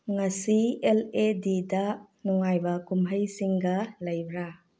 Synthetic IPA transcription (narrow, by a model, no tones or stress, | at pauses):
ŋɐsieledidɐ | nuŋajbɐkumɦəjsiŋɡɐlɐjbɾa